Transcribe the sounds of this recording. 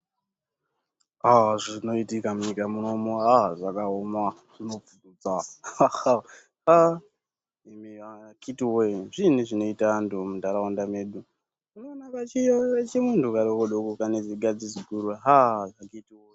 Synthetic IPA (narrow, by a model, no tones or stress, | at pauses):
aʐino̞itikamuɲikamuno̞moɦaʐakaomwa | ʐino̞fukud͡za | ha | imiaakitiwoʐinuʐino̞itandomudaɾaundame̞ːɗu | unoːnakat͡ʃijoet͡ʃemuntukaɾokoɗokukaneziɡad͡zid͡ziɡʱuɾaɦaʐakaitiwo